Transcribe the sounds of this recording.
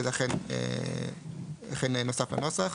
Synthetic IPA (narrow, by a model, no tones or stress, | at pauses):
zeaχenḛ | aχenenosafla̰no̞saχ